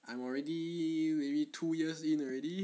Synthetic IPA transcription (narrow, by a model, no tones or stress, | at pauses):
ʔãjmɔɹɛdiwiɹitʰujiəsĩnɔɹɛdi